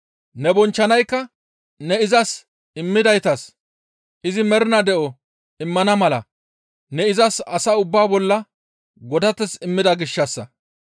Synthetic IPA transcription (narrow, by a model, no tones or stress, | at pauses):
nɛbɔnt͡ʃːɐnɐjkːɐ | nɛɪzɐs | ɪmːɪd̪ɐjt̪ɐs | ʔɪzɪmɛɾɪnɐd̪ɛʔɔ | ɪmːɐnɐmɐlɐ̰ | nɛɪzɐsɐsɐʊbːaːbɔlːɐ | ɡɔd̪ɐt̪ːɛsɪmːɪd̪ɐɡɪʃːɐsːɐ